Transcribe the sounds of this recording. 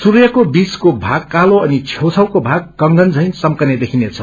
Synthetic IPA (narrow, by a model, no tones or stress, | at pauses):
surjʌkobiskobʱaɡ̚kaloʌnit͡sʰjewt͡sʰʌwkobʱaɡ̚ːʌŋɡʌnd͡zʌjnsʌmkʌned̪ekʰinet͡sʰʌ̥